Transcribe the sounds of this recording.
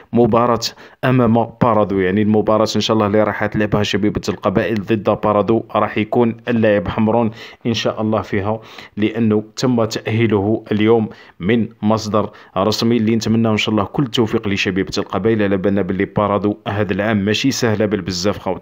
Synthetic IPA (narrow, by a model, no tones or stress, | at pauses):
mʊbɑɾˤɑt̪ʔæmæmæbɑɾˤɑd̪ˤujaʕnilmʊbɑɾˤɑt̪ʔənʃæʔlːɑliɾˤɑħæt̪lʕəbhæʃæbibt̪əlqɑbæʔəld̪ˤəd̪ːæbɑɾˤɑd̪ˤuɾˤɑħjkunʔəlːæʕəbħamɾˤunʔənʃæʔəlˤːɑhfiɦæləʔənːʊt̪əmːæt̪æʔəhːəlhʔəljumː | ənmɑsˤd̪ɑɾˤ | ɾˤɑsmilːinət̪mənːæhənʃæʔlˤːɑhkʊlːt̪ːufiqləʃæbibt̪lqɑbæʔəlʕlæbænːæbəlːifɑɾˤɑd̪ˤuɦæd̪əlʕamːæʃisæhlæbəlbəzːæfqæw